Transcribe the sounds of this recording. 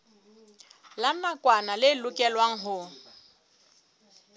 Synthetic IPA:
lanakʼwanalɪlʊkʼɛlwaŋ̩ɦʊ

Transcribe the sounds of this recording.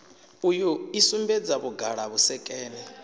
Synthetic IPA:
ujuisumbɛd͡zaβuɡʱaɺaβusɛkʼɛːlɛ

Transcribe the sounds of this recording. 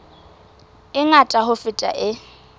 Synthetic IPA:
ɪŋatʼaɦʊfɪtʼa̰ʔɪ

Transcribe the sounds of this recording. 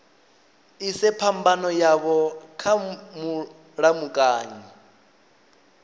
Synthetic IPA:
isɛpʰambanɔjaβɔkʰamu | ɺamukʼaːɲi

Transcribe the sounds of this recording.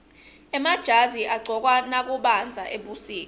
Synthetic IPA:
ɛmad̥ʒ̥ʱaziʔaɡ͡ǀʱɔk̬ʼwanak̬ʼuɓand͡zʱaʔeɓusiːk̬ɔ

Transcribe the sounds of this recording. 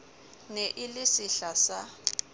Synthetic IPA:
neʔɪlɪsiɬasa

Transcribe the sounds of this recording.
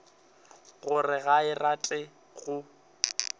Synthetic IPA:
ɣʊrɪɣaɪratʼɪ | ɣʊ

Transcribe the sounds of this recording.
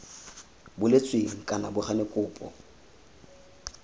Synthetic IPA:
bʊlet͡sʼweŋ̩kʼanabʊχanɪkʼʊːpʼɔ̰

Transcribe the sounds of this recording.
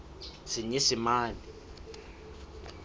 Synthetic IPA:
sɪɲesɪmaːli

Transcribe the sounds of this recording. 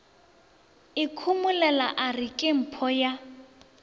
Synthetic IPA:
ɪkʰumʊlɛlaʔarɪkʼɪm̩pʰɔja

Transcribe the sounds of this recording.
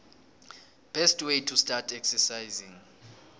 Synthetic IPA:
b̥ɛstʰwejtʰustʼatʰɛksɛsajzĩŋ

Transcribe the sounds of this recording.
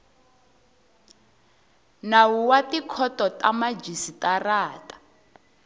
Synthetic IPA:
nawuwatikʰɔtɔtamad͡ʒisitaraːtḁ

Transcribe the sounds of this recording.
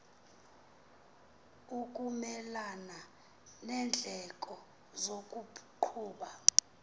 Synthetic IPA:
ukʼumɛlana | nɛnd͡ɮʱɛkʼɔ | zokʼuǃʰuːɓa

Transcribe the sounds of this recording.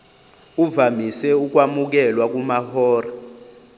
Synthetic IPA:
uvamisɛuk̬wamuk̬ɛlwak̬umahɔːra

